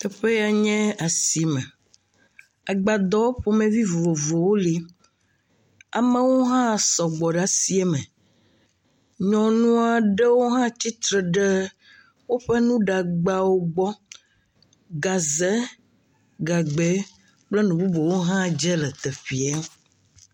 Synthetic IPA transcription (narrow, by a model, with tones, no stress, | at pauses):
t̪ɛ˨ɸe˦ja˨ɲɛ̃˦a˨si˨mɛ̃˨ | a˨ɡ͡ba˨d̪ɔ˦wo˦ɸo˦mẽ˦vi˦vo˨vo˨wo˦li˦ | a˨mẽ˦wo˦ɦã˦˨sɔ˨ɡ͡bɔ˨ɖa˨si˦e˦mɛ̃˨ | ɲɔ̃˨nũ˦a˨ɖe˦wo˦ɦã˦t͡ɕi˦t̪ɾe˨ɖe˦ | wo˦ɸe˦nũ˦ɖa˨ɡ͡ba˦wo˦ɡ͡bɔ˦ | ɡa˨ze˦ | ɡa˨ɡ͡be˨˦ | k͡ple˦nũ˨bu˦bo˨wo˦ɦã˦˨d͡ʒɛ˦lɛ˨t̪e˨ɸi˨a˦